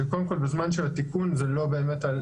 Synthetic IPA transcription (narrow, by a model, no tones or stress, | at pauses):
ekod̪emko̞lbezmanʃelat̪ikunzelo̞be̞ːmet̪al